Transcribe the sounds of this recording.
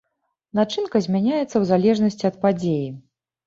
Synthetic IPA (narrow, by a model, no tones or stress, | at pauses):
nat͡ʂɨnkɐzʲmʲanʲajɛt̪sːɐwzalʲɛʐnɐsʲt͡sʲiɐt̪̚pad͡zʲeji